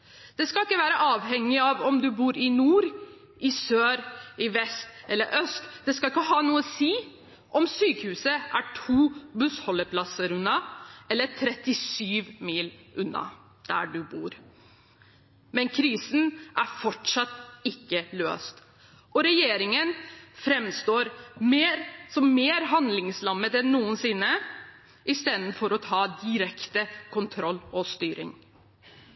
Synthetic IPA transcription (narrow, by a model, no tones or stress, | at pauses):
d̪̥ɛskɑlɪkːəʋæːɾəʔɑːʋhɛŋːɪɑʋɔmd̪ʉbuːɾɪnuːɾ | ʔɪsøːɾɪʋɛst̪ʔɛlːəɾʔœst̪d̪ɛskɑɪkːəɦɑːnuːəɔsiː | ʔɔmsyːkəhʉːsəʔæʈʰuːbʉshɔlːəpʰlɑsəɾʉnːɑʔɛlːət̪ʰɾɛt̪ɪsyːʋmiːlʔʉnːɑ̰ | d̪̥æ̰ɖʉbṵːɾ | mɛnkʰɾiːsn̩ʔæɾfɔʈʂɑt̪ːɪkːəlø̰ːst̪ | ʔɔɾɛjeːɾɪŋənfɾɛmst̪oːɾmeːɾsɔmmeːɾɦɑnd̪lɪŋslɑmːət̪ɛnːuːənsɪnːə | ʔɪst̪eːd̪n̩fɔɾɔt̪ʰɑːd̪ɪɾɛkt̪əkʰʊnt̪ʰɾɔlːɔst̪yːɾɪ̰ŋ